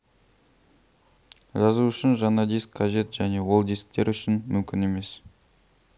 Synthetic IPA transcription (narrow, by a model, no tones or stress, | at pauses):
ʒɑzuʏʃɪnʒɑnɑd̪iskʰqʰɑʒe̞t̪ʒæne̞wo̞lˠd̪isk̚t̪e̞ɾʏʃɪnmʏmkʲɪ̰ne̞me̞s